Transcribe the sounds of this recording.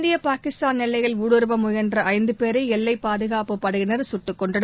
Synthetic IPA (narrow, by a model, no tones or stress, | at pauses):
nd̪ɪjɐpaːkɪst̪aːnnɛlːɐɪɣɐɭuːɽɯɾɯbɐmʊjɐndrɐʔɐɪnd̪ɯpeːɾɐɪɛlːɐɪpaːðɯɣaːpɯpːɐɽɯɣɪnɐɾsʊʈːɯkːɔɳɖɐɽ